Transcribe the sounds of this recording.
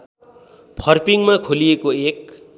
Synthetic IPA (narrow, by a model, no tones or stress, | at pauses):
pʰʌrpiŋmakʰolijekoek̚